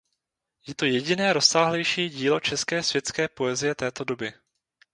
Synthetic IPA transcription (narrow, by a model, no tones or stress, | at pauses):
jɛt̪o̞jɛɟɪnɛːɾo̞saːɦlɛjʃiːɟiːlo̞t͡ʃɛskɛːsvjɛt̪t͡skɛːpo̞ɛzɪjɛt̪ɛːt̪o̞do̞bɪ